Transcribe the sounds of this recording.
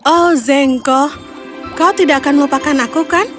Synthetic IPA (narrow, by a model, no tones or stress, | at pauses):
ʔɔzɛŋkɔ | kaot̪idaʔakanmopakanakukan